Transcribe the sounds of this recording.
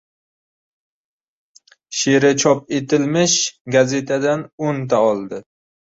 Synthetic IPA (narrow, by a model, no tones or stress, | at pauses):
ʃe̞ɾɪt͡ʃʰɒp̚e̞t̪ʰɪlmɪʃɡaze̞t̪ʰad̪anont̪ʰaɒlˠd̪ɪ